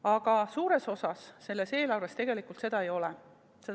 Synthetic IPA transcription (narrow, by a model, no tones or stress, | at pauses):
ɑɡ̥ɑsuːɾe̞so̞sɑsːe̞lːe̞se̞ːlɑwvest̪eɡ̥e̞likˑult̪se̞d̪ɑe̞jo̞lɛ | se